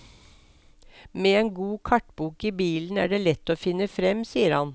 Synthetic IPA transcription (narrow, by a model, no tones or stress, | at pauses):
meːeːŋɡuːkʰɑʈbuːkiːbiːln̩æ̰ːɖeːlɛt̪ːoːfɪnːəfɾɛmsiːəɾhɑn